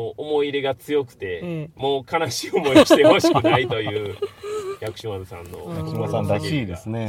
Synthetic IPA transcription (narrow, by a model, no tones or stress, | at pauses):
oʔomo̞iɾe̞ɡat͡sɨjo̞kɯ̟̥t̪e̞mo̞ːkʰanaɕiːomo̞oiit̪eho̞ɕi̥kɯ̟nait̪o̞jɯ̟ːjakɯ̟̥ɕĩad̪sã̰nːo̞̰aksãnd̪akeid̪esɨne